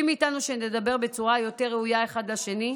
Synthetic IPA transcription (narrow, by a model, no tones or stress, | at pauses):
imiːtanuʃenedabe̞ʁbe̞t͡suʁajo̞te̞ʁːeujae̞χad̪laʃe̞ni